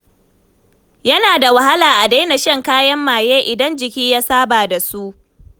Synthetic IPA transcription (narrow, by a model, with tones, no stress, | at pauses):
jɐ˦naː˨da˨wa˨ha˦laː˨ʔa˨da˦na˨ʃɐ˦ŋkaː˦jɐ˦mːaː˨jeː˦ʔɪ˨dɐ˦nd͡ʒɪ˨kʲiː˦jaː˦saː˦baː˨da˨su˦ʔ